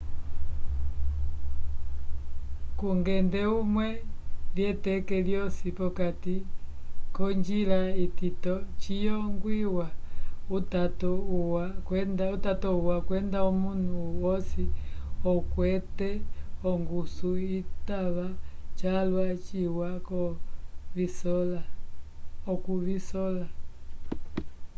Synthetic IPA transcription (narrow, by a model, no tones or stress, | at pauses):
kuŋɡɛndɛumwɛljɛtɛkɛljɔsipɔkati | kɔɲd͡ʒilaititɔt͡ʃijɔŋɡwiwautatɔuwakwɛndautatɔuwakwɛndaumun̤uwɔsiɔkwɛtɛɔŋɡusuitaβat͡ʃalwat͡ʃiwakɔ | visɔla | ɔkuβisɔla